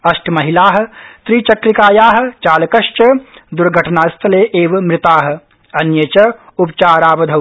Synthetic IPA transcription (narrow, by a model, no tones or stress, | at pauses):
ɐʃʈʰmɐɦilaːɦɐ̆t̪ɾiːt͡ʃɐkɾikaːjaːɦɐ̆t͡ʃaːlɐkɐʃt͡ʃɐd̪uɾɡʱɐʈʰɐnaːst̪ʰɐleːʔeːʋɐmɾɪt̪aːɦɐ̆ | ɐnjɐt͡ʃɐupt͡ʃaːɾaːʋɐd̪ʱɐw